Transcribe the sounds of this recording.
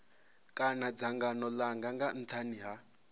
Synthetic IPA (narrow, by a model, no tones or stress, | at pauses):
kʼanad͡zaŋɡanɔlaŋɡaŋɡan̩t̪ʰaniɦa